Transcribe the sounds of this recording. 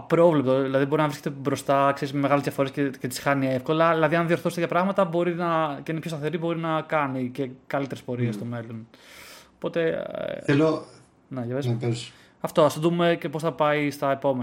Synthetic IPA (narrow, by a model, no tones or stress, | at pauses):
pɾo̞vlep̚t̪oðilɐðibo̞ɾinɐvɾiscet̪ebɾo̞st̪ɐkse̞ɾizmeme̞ɣɐlezðʝɐfo̞ɾe̞scecet̪isxɐniefko̞lɐðilɐðiɐnðio̞ɾθost̪ejɐpɾɐɣmɐt̪ɐbo̞ɾinɐceinepçost̪ɐθe̞ɾibo̞ɾinɐkɐnice̞kɐlit̪eɾespo̞ɾiest̪ome̞lo̞nopo̞t̪e̞θelo | neʝɐvesps | ɐft̪oɐsod̪uume̞cepo̞sθɐpɐist̪ɐepo̞me